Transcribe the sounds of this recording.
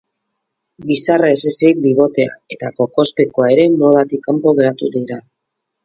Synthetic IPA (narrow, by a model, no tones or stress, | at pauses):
ɡisaraesesiik̚d̪iβo̞t̪e̞a̰e̞t̪ako̞ko̞spe̞ko̞ae̞ɾe̞mo̞ð̞at̪ikːampo̞ɣ̞e̞ɾat̪uðiɾa